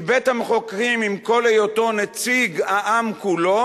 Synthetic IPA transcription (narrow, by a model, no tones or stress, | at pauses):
bet̪hameχo̞kʁimimko̞lejoto̞net͡siɡaʔamkulo̞